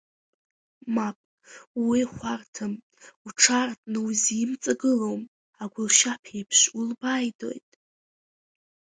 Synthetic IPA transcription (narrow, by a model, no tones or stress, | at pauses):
mapʼ | wwiχʷartʰɨm | uʈ͡ʂʰartʼnɨwzimt͡sʼaɡɨlowm | aɡʷʊlʃapʰejpʰʃʷulbajdo̞̰jtʼ